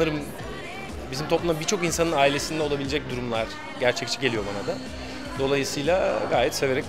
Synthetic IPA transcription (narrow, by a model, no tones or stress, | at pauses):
nɯɾɯm | bizimt̪ʰo̞plˠumabit͡ʃʰo̞kinsanɯnaːilʲe̞sind̪ɛo̞lˠabilʲed͡ʒɛc̚d̪uɾumlˠaɾ̥ | ɟæɾt͡ʃʰɛc̚t͡ʃʰɛ̥ɟelʲijo̞banad̪a | d̪o̞lˠajɯsɯjlˠaɡaːjɛt̪se̞ve̞ɾɛc